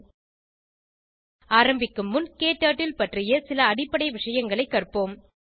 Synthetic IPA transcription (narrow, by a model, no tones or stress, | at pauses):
aːɾɐmbɪkːɯmːʊnkeːʈːaːʈːɪlpɐʈrɪjɐsɪlɐːɽɪpːɐɽɐɪʋɪʂɐjɐŋɡɐɭɐɪkːɐrpoːm